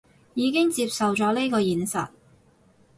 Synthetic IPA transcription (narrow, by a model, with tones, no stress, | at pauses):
jiː˨˧kɪ˥ŋt͡siː˧p̚sɐ˨wt͡sɔː˨˥le˥kɔː˧jiː˨nsɐ̰˨t̚